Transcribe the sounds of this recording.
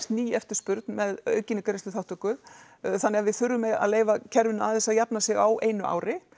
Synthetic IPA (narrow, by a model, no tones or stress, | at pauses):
st̪niːɛft̪ɪ̥spʏɾt̪nmɛðœ̰ːɥcɪnɪkaɾɪst̪ʏθawht̪ʏkʏ | θanːɛɣavɪðθʏɾːʏmːɛða̰ðleːjvacʰɛɾvɪnaaðθɛsːaðjapnasɪɣawʔeːjnʏʔa̰ːwɾɪ